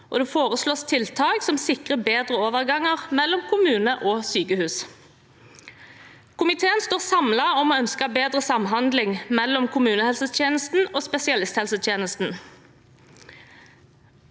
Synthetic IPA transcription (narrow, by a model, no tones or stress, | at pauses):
ʔɔ̰d̪uːfoːʁəsloːst̪ʰɪlt̪ʰɑːksɔmsɪkʁəbeːd̪ʁəoːʋəʁɡɑŋːəʁmɛlːɔmkʰʊmʉːnəʔɔːsyːkəhʉːs | kʰʊmɪt̪ʰeːənst̪oːʁsɑmlɑɔmɔːœnskəbeːd̪ʁəsɑmɦɑnd̪lɪŋmɛlːɔmkʰʊmʉːnəhɛlsət̪ʰjeːnəst̪n̩oːspɛsɪɑlɪst̪hɛlsət̪ʰjeːnəst̪n̩